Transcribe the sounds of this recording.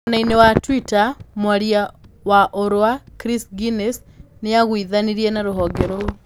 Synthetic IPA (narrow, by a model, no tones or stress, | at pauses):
onainewatwitamwaɾjawaʔoɾwakɾisɡines | neaɣwiðaniɾienaɾoɦɔŋeɾo